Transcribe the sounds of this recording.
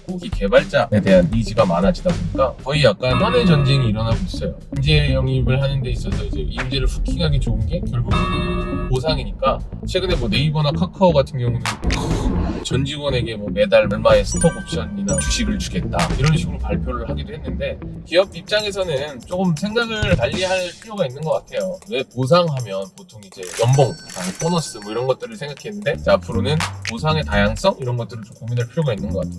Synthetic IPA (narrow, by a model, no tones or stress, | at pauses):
koɡike̞baɭt͡ɕ͈aete̞ɦanid͡ʑiɡamanad͡ʑidaboɲik͈akʌijak̚k͈anhanet͡ɕʌnd͡ʑeŋiiɾʌnaɡois͈ʌjoimd͡ʑe̞jʌŋibɯɭhanɯnde̞is͈ʌsʰʌid͡ʑe̞imd͡ʑeɾɯɭɸukʰiŋɦaɡet͡ɕoɯnɡe̞kjʌɭɡuɡpos̬ʰaŋiɲik͈at͡ɕʰwe̞ɡɯne̞mwʌne̞ibʌnakʰakʰaoɡatʰɯnɡjʌŋunɯnkɯt͡ɕʌnd͡ʑiwʌne̞ɡe̞mwʌme̞daɭmɯɭmaesʰɯ̥tʰʌɡop̚ɕ͈ʌɲːinḁɕʰibɯɭt͡ɕuɡe̞t̚t͈a̰iɾʌnɕʰiɡuɾopaɭpʰjoɾɯɭhaɡidoɦe̞nːɯnde̞kiʌb̚ip̚t͡ɕ͈aŋe̞s̬ʰʌnɯnt͡ɕ͈oɡɯmsʰe̞ŋɡaɡɯɭtaʎːiɦaɭpʰiɾjoɡainːɯnɡʌk͈atʰe̞jone̞pos̬ʰaŋɦamjʌnpotʰoŋid͡ʑe̞jʌmboŋtanp͈ʰonʌs͈ɯmʌiɾʌnɡʌt̚t͈ɯɾɯɭsʰe̞ŋɡakʰenːɯnde̞t͡ɕeapʰɯɾonɯnposʰaŋe̞tajaŋs͈ʌŋiɾʌnɡʌt̚t͈ɯɾɯɭt͡ɕomkominɦaɭpʰiɾjoɡainːɯnɡʌk͈atʰe